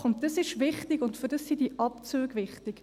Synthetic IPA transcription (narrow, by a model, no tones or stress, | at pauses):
χʊnt̚d̥əsɪʃʋɪχtɪɡʊntfʏɾdəsːidiʔɑpt͡søːɡvɪχtɪk